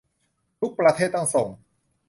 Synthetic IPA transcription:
t̪ʰu˦˥k̚pɾa˧t̪ʰeː˥˩t̪ːa˥˩ŋso˨˩ŋ

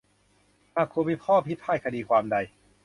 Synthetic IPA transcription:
maː˧˩kʰuː˧miː˧˥˩pʰɔː˥˩pʰi˦˥t̪̚ʰːaː˥˩kʰa˧diː˧kʰwaː˧mda˧j

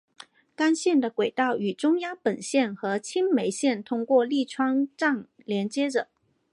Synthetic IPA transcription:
ka˥nɕjɛ˥˩nd̪ə˩kwe˨˩ɪt̪ɑ˥˩ʊy˨˩ʈ͡ʂʊ˥ŋja˥ŋpə˨˩nɕjɛ˥˩nxɤ˧˥t͡ɕʰi˥nme˧˥ɪɕjɛ˥˩nt̪ʰʊ˥ŋkwɔ˥˧li˥˩ʈ͡ʂʰwɑ˥ŋʈ͡ʂɑ˥˩ŋ | ljɛ˧˥nt͡ɕjɛ˥ʈ͡ʂɤ˨˩˦

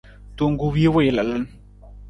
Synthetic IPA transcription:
to˨ŋɡu˦wi˦wa˦˨jla˨la˦n

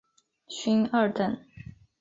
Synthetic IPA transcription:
ɕi˥nə˥˩t̪ə˥˩n

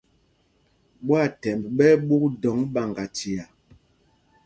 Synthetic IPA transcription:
ɓwa˦˨tɛ˨mbɓɛ˦ɓu˦k̚dɔ˨˦ŋɓa˨ŋɡa˨ti˨a˨

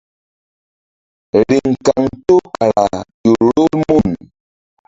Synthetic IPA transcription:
ɾi˨ŋ̩˨ka˨ŋtu˦ka˨ɾa̰˨tu˨ɾɾo˦lmu˦˨n

